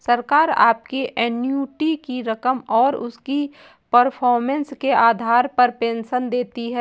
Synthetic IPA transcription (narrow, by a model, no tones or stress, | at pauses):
səɾkaːɾa̰ːp̚kiʔɛːnjuːʈikiɾɐkəmɔːɾʊ̰ski | pəɾpʰɔːɾmə̃nskeʔaːd̪ʱaːɾpɐɾpẽːnʃənd̪eːt̪iɦɛː